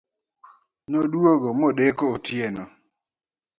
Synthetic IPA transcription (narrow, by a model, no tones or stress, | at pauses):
noɗwoɡɔmɔɗekootjenɔ